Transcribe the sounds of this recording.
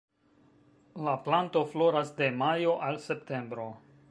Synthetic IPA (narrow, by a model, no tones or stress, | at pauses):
laplanto̞flo̞ɾasde̞majo̞ʔalse̞pte̞mbɾo̞